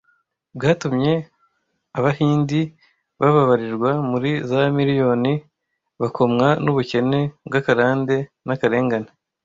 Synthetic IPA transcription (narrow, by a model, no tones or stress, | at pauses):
bɡaːtumɲe̞ | aβahiːndi | βaβaβaɾiɾɡwamuɾizamiɾijo̞ni | βakʰo̞mŋanuβuce̞ne̞bɡakaɾaːnde̞ | nakaɾe̞ːŋɡane